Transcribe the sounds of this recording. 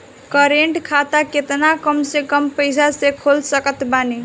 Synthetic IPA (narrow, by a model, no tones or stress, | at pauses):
kəɾeɳʈkʰat̪aket̪nakəmsekəmpəjs̬asekʰolsəkət̪bani